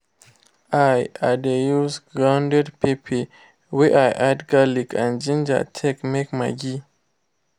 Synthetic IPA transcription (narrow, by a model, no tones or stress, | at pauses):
ajadejusɡɹãwndɛdpipʰi | weʔajʔadɡalikʰãnd͡ʒĩnd͡ʒa̰tʰɛkmekma̰ɡi